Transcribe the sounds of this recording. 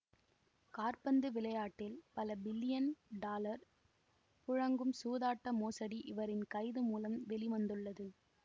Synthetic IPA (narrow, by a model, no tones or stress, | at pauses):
kaːɾpɐnd̪ɯʋɪlɐjaːʈːɪlpɐlɐbɪlːɪjɐnɖaːlɐɾ | pʊɻɐŋɡɯmsuːðaːʈːɐmoːsɐɽiʔɪʋɐɾɪnkɐɪðɯmuːlɐmʋɛliʋɐnd̪ɯɭːɐðɯ